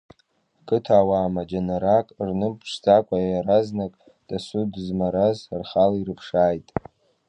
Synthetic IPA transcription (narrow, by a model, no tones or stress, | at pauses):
kʰʼɨtʰaːwaːmad͡ʒanaɾakʼrnɨpʰʂd͡zakʷʼajaɾaznakʼ | d̥asudzmaɾazrχaliɾɨpʰʂaːjtʼ